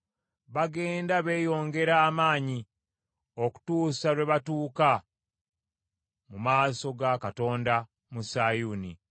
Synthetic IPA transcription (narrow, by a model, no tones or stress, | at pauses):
βaɡe̞ːndaβe̞ːjo̞ːŋɡe̞ɾaːmaːɲi | o̞ku̥tuːsaɾwe̞βatuːka | mumaːso̞ɡakato̞ːnda | musajuni